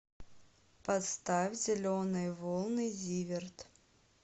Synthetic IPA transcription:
pɐt̪st̪afʲzʲɪlʲonɨjvolˠnɨjzʲivʲɪrt̪

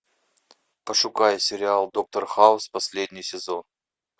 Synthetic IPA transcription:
pəʂʊkajəsʲɪɾʲɪalˠd̪o̞k̚t̪ərxaʊspɐsʲlʲedʲnʲɪjsʲɪzo̞n

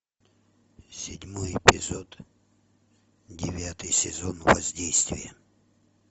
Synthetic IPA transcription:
sʲɪdʲmojɪpʲɪzod̪ | dʲɪvʲat̪ɨjsʲɪzonvɐzʲdʲejst̪vʲɪ̰jə

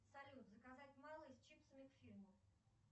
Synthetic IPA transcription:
sɐlʲut̪zəkɐzatʲmɑlˠəɪst͡ɕipsəmʲɪkfʲilʲmʊ

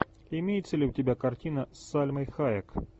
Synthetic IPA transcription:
imʲejɛt̪sʲːɐlʲiwtʲɪbʲakartʲinɐsːalʲmɐjxajɐk

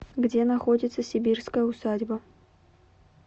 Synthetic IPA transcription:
ɡdʲe̞nɐxo̞dʲɪt̪səsʲɪbʲirskəjəʊsadʲbə

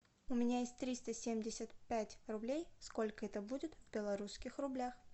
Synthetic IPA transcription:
ʊmʲɪnʲajesʲtʲt̪ɾʲist̪əsʲemʲdʲɪsʲət̪pʲætʲrʊblʲejsko̞lʲkəɛt̪əbudʲɪt̪vbʲɪlˠɐɾuskʲɪxrʊblʲax

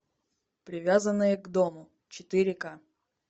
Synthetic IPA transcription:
pɾʲɪvʲazənːɨjəɡd̪omʊ | t͡ɕɪt̪ɪɾʲɪka

